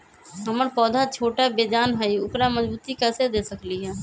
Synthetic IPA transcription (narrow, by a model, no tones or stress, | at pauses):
ɦɐməɾpɔːd̪ʱat͡ʃʰoːʈabeːd͡ʒaːnɦaiʊpɾaməzbuːt̪ikɛːsed̪eːsəkliɦɛː